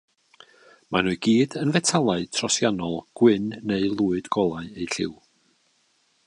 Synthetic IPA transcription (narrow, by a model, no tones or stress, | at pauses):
manʊɡiːdənvɛtʰalˠaɨtʰrɔsjanɔlˠɡ̥wɪnːeɨlˠuːɨd̥ɡ̥ɔlˠaɨejɬɪ̰w